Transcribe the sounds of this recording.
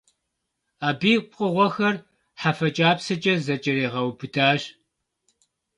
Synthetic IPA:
aːbiːqʷʼəʁʷɔxɐr | ħafɐt͡ʃʼaːpsɐt͡ʃʼɐzɐt͡ʃʼɐɾeːʁɐwbɨdʰaːʒ

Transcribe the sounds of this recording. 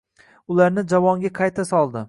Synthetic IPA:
ʊlaɾnɪd͡ʒavɒŋɡʲaqʰɑjt̪ʰasɒlˠd̪ɪ

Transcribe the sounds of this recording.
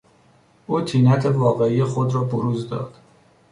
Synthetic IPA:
ʔuːt̪ʰiːnæt̪ʰevɒːɣe̞ijexo̞d̪ɾɒːboɾuːzd̪ɒ̰ːd̪̥

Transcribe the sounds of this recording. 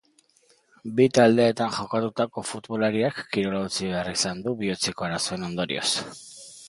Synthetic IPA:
bit̪ald̪e̞ːt̪anʝo̞kat̪ut̪ako̞fut̪βo̞laɾiakːiɾo̞laut͡siβe̞arisand̪uβiot͡seko̞aɾasue̞no̞nd̪o̞ɾḭo̞̰s

